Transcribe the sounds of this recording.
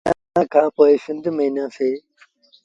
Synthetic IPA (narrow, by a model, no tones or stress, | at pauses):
a | ãːkʰãːpoːɪsɪ̃nd̪ʱməiːnãːseː